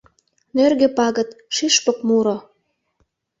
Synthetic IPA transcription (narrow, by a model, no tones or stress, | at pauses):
nørɡĕpɑɣə̆t̪ʃiʃpɤ̆kmuɾo